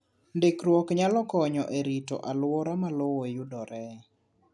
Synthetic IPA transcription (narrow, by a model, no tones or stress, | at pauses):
ndekɾwɔkɲalɔkɔɲɔʔeɾitɔ̰ʔalwɔɾamalowojudɔɾɛ